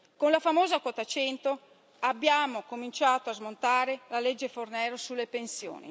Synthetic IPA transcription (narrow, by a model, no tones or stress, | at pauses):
konlafamoːzakwot̪at͡ʃɛnt̪o | abːjaːmokomint͡ʃaːt̪oazmont̪aːɾelaled͡ʒːefornɛːɾosulːepensjo̰ːnḭ